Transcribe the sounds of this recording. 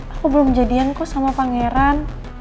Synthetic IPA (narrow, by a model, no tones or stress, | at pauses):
akubəlʊmd͡ʒadiankɔsamapaŋeɾan